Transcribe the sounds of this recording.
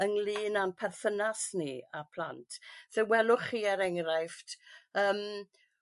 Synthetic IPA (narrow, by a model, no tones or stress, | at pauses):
əŋliːnanpʰɛrθənasniapʰl̥a̰ntʰð̥ɛwɛlˠʊχiɛɾɛŋrajftəːm